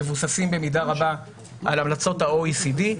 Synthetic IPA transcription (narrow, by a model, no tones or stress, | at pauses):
evusasimbe̞midaʁaba | ʔalamlat͡so̞thaoisidi